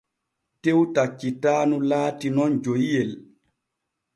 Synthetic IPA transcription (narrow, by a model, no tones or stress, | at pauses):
tewtat͡ʃːitaːnulaːtinɔnd͡ʒojjɛl